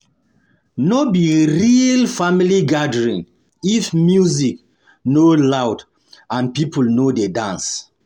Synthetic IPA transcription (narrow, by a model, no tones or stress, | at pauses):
nɔbiɹilfamiliɡadəɹĩn | ifmjuzik | nolawd | ãnpipəlnodedãns